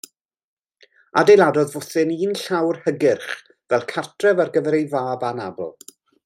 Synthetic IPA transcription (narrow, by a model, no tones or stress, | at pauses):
a̰dejlˠadɔðvɔθɨniːnɬawrhəɡɪrχ | vɛlˠkʰartʰrɛvarɡəvɛɾejvaːbanabɔ̰lˠ